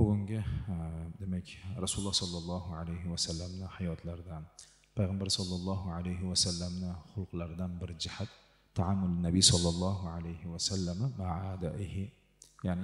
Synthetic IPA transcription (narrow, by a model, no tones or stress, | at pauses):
bʊɡʲʊŋɡʲɪ | d̪emɛkʲɾɑsulˠːɑhsɑlˠːɑlˠˤːɑɦʊʕalajɦɪwasalːamnɪħɑjɑt̪ʰlˠɑɾd̪an | pʰajʁambaɾsɑlˠːɑlˠˤːɑɦuʕalajɦɪwasalːamnɪχʊlˠqlˠɑɾd̪anbɪɾd͡ʒɪhat̪ʰː | aʕamːʊlɪnːabijsɑlˠːɑlˠˤːɑːɦʊʕalajhɪwasalːamamaʕaːd̪aʔɪhɪ | jaʕnɪ